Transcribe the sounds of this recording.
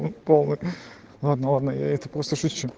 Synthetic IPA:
polˠnɨj | lˠad̪nəlˠad̪nəja̰ɛt̪əpɾost̪əʂʊt͡ɕːʊ

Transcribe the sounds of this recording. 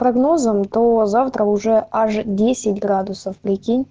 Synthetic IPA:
pɾɐɡno̞zəmt̪ozaft̪ɾəʊʐɛaʐdʲesʲɪtʲɡɾad̪ʊsəfpɾʲɪkʲinʲ

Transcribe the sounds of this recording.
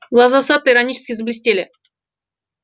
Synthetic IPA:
ɡlˠɐzasat̪ːəiɾɐnʲit͡ɕɪ̥skʲɪzəblʲɪsʲtʲelʲɪ

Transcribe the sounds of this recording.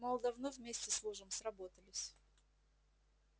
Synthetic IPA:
mɐlˠd̪ɐvnɨvʲmʲesʲtʲɪsˠuʐəmsrɐbot̪əlʲɪsʲ

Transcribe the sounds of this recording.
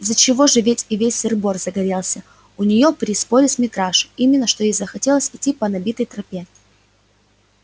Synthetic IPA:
zət͡ɕɪvo̞ʐɨvʲetʲɪvʲesʲɪrbo̞rzəɡɐɾʲe̞lˠsʲə | ʊnʲɪjo̞pɾʲɪspolʲɪsʲmʲɪt̪ɾaʂʊimʲɪnːəʂt̪ojejzəxɐtʲe̞lˠəsʲɪtʲːipənɐbʲit̪əjt̪ɾɐpʲe

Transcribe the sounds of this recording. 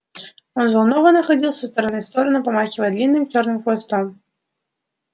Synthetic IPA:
ɔnvɐlˠnɔvənɐxɐd͡zʲilˠsɐst̪ɐɾɐnɨfst̪ɔɾɐnɨpɐmaxʲɪvɐjd̪lʲinːɨmt͡ɕornɨmxvojst̪ɔm

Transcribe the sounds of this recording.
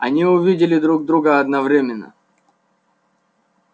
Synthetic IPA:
ɐ̰nʲiʊvʲidʲɪlʲɪd̪ɾuɡ̚d̪ɾuɡəɐd̪nɐvɾʲemʲɪnːə̰

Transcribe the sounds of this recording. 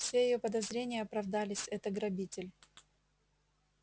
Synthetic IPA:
fsʲejɪjopəd̪ɐzɾʲenʲɪjəɐpɾɐvd̪alʲɪsʲɛt̪əɡɾɐbʲitʲɪlʲ

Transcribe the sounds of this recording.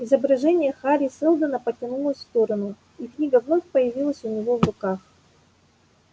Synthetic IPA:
ɪzəbɾɐʐɛnʲɪjəxaɾʲɪsɨlˠd̪ənəpətʲɪnulˠəsʲsft̪o̞ɾənʊ | iknʲiɡəvno̞fʲpəjɪvʲilˠəsʲʊnʲɪvo̞vrʊkax

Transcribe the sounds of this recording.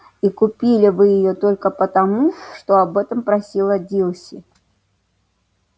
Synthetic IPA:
ikupʲilʲɪvɨjɪjot̪ɔlʲkəpɐt̪amuʂt̪ɔabɛt̪ɐmpɾasʲilˠɐd͡zʲilˠsʲi

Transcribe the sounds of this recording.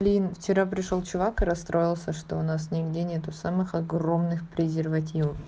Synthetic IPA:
lʲinft͡ɕɪɾapɾʲɪʂo̞lˠt͡ɕʊvakɨɾɐst̪ɾʔo̞jɪlˠsʲəʂt̪o̞ʊnas̬nʲɪɡdʲenʲet̪ʊsamɨxɐɡro̞mnɨxpɾʲɪzʲɪrvɐtʲivəf

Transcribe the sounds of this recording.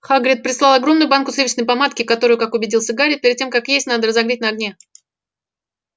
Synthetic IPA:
xaɡɾʲɪt̪̚pɾʲɪslˠɑlˠɐɡɾo̞mnʊjʊbankʊslʲevʲɪt͡ɕnəjpɐmat̪kʲɪkɐt̪o̞ɾʊjʊkakʊbʲɪdʲilˠsʲəɡaɾʲɪpʲeɾʲɪd̪̚tʲːe̞mkakjesʲtʲnad̪əɾəzɐɡɾʲitʲnəɐɡnʲe

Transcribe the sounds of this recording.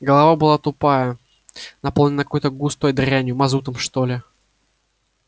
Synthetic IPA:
ɡəlˠɐvabɨlˠat̪ʊpajə | nɐpo̞lˠnʲɪnəkɐ̥kojt̪əɡust̪ojd̪ɾʲænʲjʊmɐzut̪əmʂt̪olʲɪ

